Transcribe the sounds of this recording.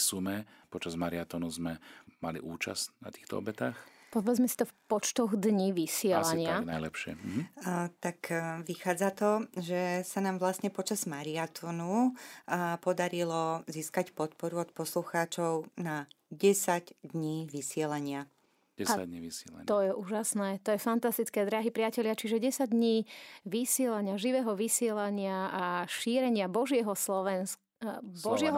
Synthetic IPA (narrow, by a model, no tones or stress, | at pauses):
sumɛ | pɔt͡ʃazmaɾiat̪ɔnuzmɛmalḭʔuːt͡ʃa̰stna̰t̪i̥ːxt̪ɔ̰ɔ̰bɛt̪ax | pɔʋɛd͡zmɛsi̥t̪ɔfpɔt͡ʃt̪ɔɣd̪ɲiʋisɪɛllaɲɪanajlɛpʃɪɛ̰ɦ̩t̪akʋixaːd͡zat̪ɔʒɛsanaːmʋlasɲɛpɔt͡ʃazmaɾiat̪ʰɔnu | pɔd̪aɾilɔziːskacpɔt̪̚pɔɾuɔt̪pɔsluxaːt͡ʃɔʊnaɟɛsaɟd̪ɲiːʋisɪɛlaɲɪḁ | ɛa̰ɲḭḭsɛ̰l̰ɲt̪ɔjɛʔuːʒasnɛːt̪ɔjɛfant̪ast̪it͡skɛːd̪ɾaɦipɾɪacɛlɪat͡ʃiʒɛɟɛsaɟ̚d̪ɲiːʋisɪɛlaɲɪaʒiʋɛːɦɔʋisɪɛlaɲɪaaʃiːɾɛɲɪabɔʒɪɛɦɔslɔʋɛns | bɔʒɪɛɦ